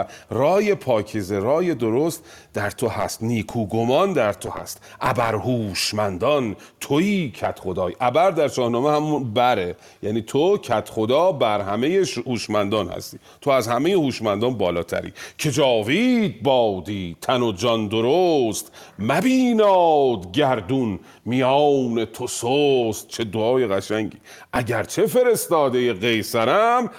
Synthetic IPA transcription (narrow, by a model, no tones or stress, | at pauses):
rɒːje̞pʰɒːcʰezeɾɒːje̞d̪o̞ɾost̪d̪æɾt̪ʰohæst̪niːkʰuːɡomɒnd̪æɾt̪ʰohæ̰st̪ʔæbæɾhuːʃmænd̪ɒnt̪ʰoiːcʰæt̪χo̞d̪ɒːjʔæbæɾd̪æɾt͡ʃɒːhnɒːmehæmunbæɾe | jæniːt̪ʰocʰæt̪χo̞d̪ɒːbæɾhæmejehuːʃmænd̪ɒːnhæ̰st̪iː | t̪ʰoæzhæme̞jehuːʃmænd̪ɒːnbɒːlɒːt̪ʰæ̰ɾḭːcʰe̞d͡ʒɒːvid̪̚bɒːd̪iːt̪ʰænod͡ʒɒnd̪oɾost̪mæbiːnɒːd̪ɡæɾd̪un | mijɒwne̞t̪ʰosost̪̚t͡ʃʰe̞d̪oɒːjeɣæʃæŋɟḭː | ʔæɟæɾt͡ʃʰe̞fe̞ɾe̞st̪ɒːd̪ejeɣe̞jsæɾæm